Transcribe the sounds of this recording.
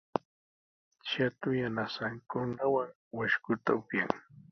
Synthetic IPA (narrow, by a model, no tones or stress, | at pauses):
t͡ʃat̪ʊjanasaŋkʊnawaŋ | waʃkʊt̪a̰ʊpjaŋ